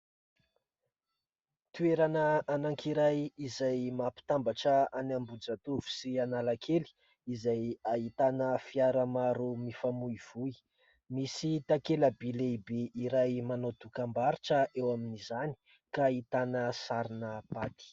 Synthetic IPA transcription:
t̪ueɾanəanaŋkiɾajizajmapi̥t̪ambaʈ͡ʂəanambud͡zat̪uvu̥sianalakʰeli̥ | izajait̪anəfiaɾəmaɾumifamuiv̥ui | misit̪akeləbileibeiɾajmanod̪ukambaɾiʈ͡ʂəʔewaminizani̥ | kait̪anəsaɾinəb̥at̪i̥

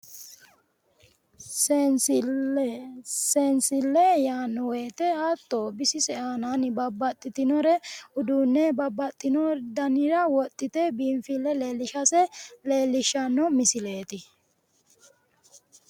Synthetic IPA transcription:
sensɪlːɛjaːnːɔweːt̪ɛaːt̪ʼːoːbɪsɪsɛʔaːnanɪbɐbːɐt̪ʼːɪt̪ɪnɔɾɛʊd̪uːnːɛbɐbːɐt̪ʼːɪnɔd̪ɐnɪɾɐwɔt̪ʼːɪt̪ɛbiːmfɪlːɛleːlːɪʃɐsɛleːlːɪʃːɐnːɔmɪsɪle̞ːt̪ɪ

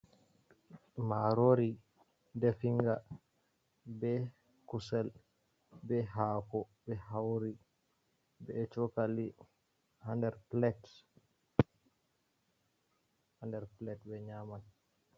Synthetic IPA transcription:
maɾoɾi | dɛfiŋɡa | bɛ | kusɛl | bɛɦaːkɔbɛhawɾi | bɛt͡ʃɔkali | handɛɾplɛt | handɛɾplɛtbɛɲaman

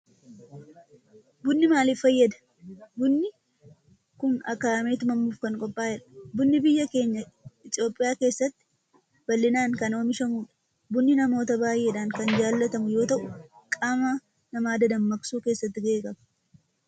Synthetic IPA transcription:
bʊnːɪmaːliːfːɐjːɐd̪ɐ̥ | bʊnːɪ | kʊnɐ̰kːaːme̞ːt̪ɪmɐmːuːfkɐŋkʼɔpʼːaːjɛᶑɐ̥bʊnːɪbɪjːɐke̞ːɲːɐɪt̪ʼɪo̞ːpʼːɪjaːke̞ːsːɐt̪ːɪ̥ | bɐlːɪnaːŋkɐnoːmɪʃɐmuːᶑɐ̥ | bʊnːɪnɐmo̞ːt̪ɐbaːjʔe̞ːᶑaːŋkɐnd͡ʒaːlːɐt̪ɐmʊjo̞ːt̪ɐʔʊkʼaːma | nɐmaːd̪ɐd̪ɐmːɐksuːke̞ːsːɐt̪ːɪɡe̞ːkʼɐbɐ̥

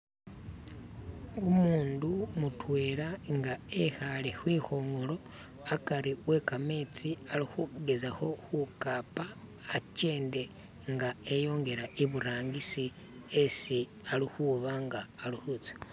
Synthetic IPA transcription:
omuːndumutweːɾaŋɡaexalexwiːxo̞ːŋɡolo̞ | akaɾiwe̞kame̞ːt͡sialixuɡe̞zaho̞xukaːpaː | ce̞ːnde̞ | ŋɡaejo̞ːŋɡe̞ɾaʔeβuɾaːŋɡisi | esi | alixuβaŋɡaːluhut͡sḁ

